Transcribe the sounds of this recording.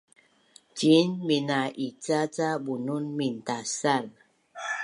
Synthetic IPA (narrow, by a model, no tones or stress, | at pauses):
t͡ʃinminaʔit͡sat͡sabununmin̩tasal